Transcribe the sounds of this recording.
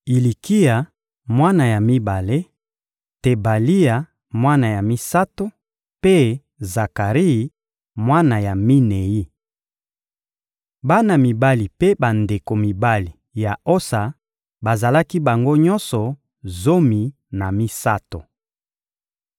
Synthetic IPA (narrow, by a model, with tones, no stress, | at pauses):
i˨li˨ki˦a˨ | mwa˦na˨ja˨mi˦ba˨le˦ | te˨ba˨li˦a˨ | mwa˦na˨ja˨mi˦sa˦to˦ | pe˦ | za˨ka˨ʁi˦i˨˦ | mwa˦na˨ja˨mi˦ne˨ji˦ | ba˦na˨mi˨ba˦li˨pe˦ba˨nde˨ko˨mi˨ba˦li˨ | ja˨o˦sa˨ | ba˨za˨la˦ki˦ba˨ŋɡo˦ɲɔ˦nsɔ˨ | zo˦mi˨ | na˨mi˦sa˦to̰˨